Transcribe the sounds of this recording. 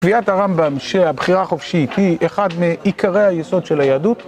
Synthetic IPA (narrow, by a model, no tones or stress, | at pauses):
viathaʁambamʃeabχiʁaχofʃitʰiʔeχadmeikʰaʁe̞jhajeso̞d̪ʃelajaːdut